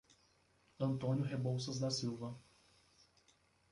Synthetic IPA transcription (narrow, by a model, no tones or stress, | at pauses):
ɐ̃nt̪õnjʊɦebowsɐzd̪ɐsiwvɐ